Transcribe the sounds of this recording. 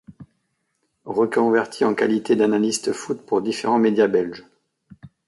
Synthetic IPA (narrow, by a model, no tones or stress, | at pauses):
ʁəkɔ̃vɛʁt̪ʰiɑ̃ka̰lit̪ed̪analist̪əfut̪puʁd̪ifeʁɑ̃med̪jabɛlʒ